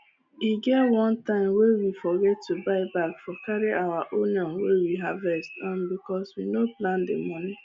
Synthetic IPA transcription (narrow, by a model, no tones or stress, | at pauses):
iɡɛtwɔ̃ntãɪ̃mwewifɔɡɛtːubaɪbakfɔkaɾiʔawaʔoniɔ̃nwewiɦavɛstɔ̃nbikɔswinoplãndḛmɔni